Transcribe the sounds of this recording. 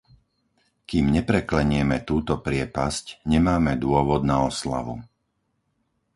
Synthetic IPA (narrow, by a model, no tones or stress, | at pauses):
kiːmɲɛpɾɛklɛɲɪɛmɛt̪uːt̪ɔpɾɪɛpascɲɛmaːmɛd̪ʊɔʋɔd̪naɔsla̰ʋu